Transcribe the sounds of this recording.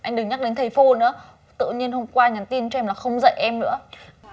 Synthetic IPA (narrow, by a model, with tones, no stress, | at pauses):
ʔa˧jŋ̟ɗɨ˨˩ŋɲa˦˥k̚ɗe˨˦nt̪ʰə˨˩jfo˧nɨ̰˧˥ə | t̪ɨ̰˧˨ɲi˧ənɦo˧mŋ͡mkwaː˧ɲa˨˩nt̪i˧ənt͡ɕɔ˧ɛ˧mlaː˨˩xə˧wŋ͡mzə̰˧˨jʔɛ˧mnɨ̰˧˥ə